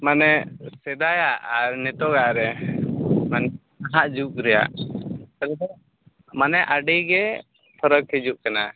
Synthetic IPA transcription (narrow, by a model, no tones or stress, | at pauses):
manɛsɛd̪ajaʔaɾnɛt̪ɔɡaʔɾɛ | manɛ | aɦaʔd͡ʒuʔɾɛja̰ʔtaldɔ | manɛʔaɖɛjɡɛ | p̪ʰɔɾəkʰːɛd͡ʒuʔkana